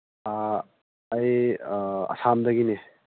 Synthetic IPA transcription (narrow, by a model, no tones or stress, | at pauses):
aː | j | a̰samdɐɡine